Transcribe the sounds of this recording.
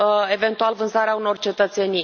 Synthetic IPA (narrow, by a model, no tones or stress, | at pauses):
e̞ve̞nt̪ualvɨnsaɾeauno̞rt͡ʃe̞t̪ət̪se̞ni